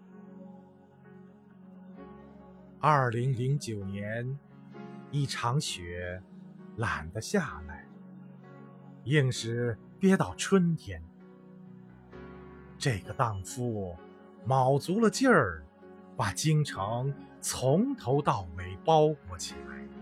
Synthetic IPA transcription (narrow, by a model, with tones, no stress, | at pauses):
ɐ˞˥˩li˧˥ŋli˧˥ŋt͡ɕjo˨˩ʊnjɛ˧˥n | i˥˩ʈ͡ʂʰɑ˧˥ŋɕɥɛ˧˥ | la˨˩nd̪ə˦ɕja˥˩la˥˩ɪ | i˥˧˩ŋʂɻ̩˥˧˩ | t̪jɛ˥t̪ɑ˥˩ʊʈ͡ʂʰwə˥nt̪ʰjɛ˧˥n | ʈ͡ʂɤ˥˩ɡə˩t̪ɑ˥˩ŋfu˥˩ | mɑ˨˩ʊt͡su˧˥lə˧t͡ɕjə˥˩ | pa˨˩t͡ɕi˥ŋʈ͡ʂʰɤ˧˥ŋ | t͡sʰʊ˧˥ŋt̪ʰo˧˥ʊt̪ɑ˥˩ʊme˨˩ɪpɑ˥ʊkwɔ˧˥t͡ɕʰi˨˩la̰˧˥ɪ